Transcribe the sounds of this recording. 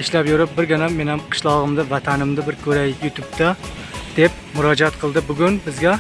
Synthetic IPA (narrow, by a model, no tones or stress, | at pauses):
ɪʃlæpjuɾɪp̚bɪɾɡʲɪnɛmːenɪmqʰə̥ʃlˠɑʁəmd̪ɪvɛt̪ʰænɪmd̪ɪbɪɾkʲʰɵɾɛjʲyt̪ʰup̚t̪ʰɪd̪̥ep̚mʊɾɑd͡ʒɛt̪qʰəlˠd̪ɪbʊɡʲynbɪzɡʲɛ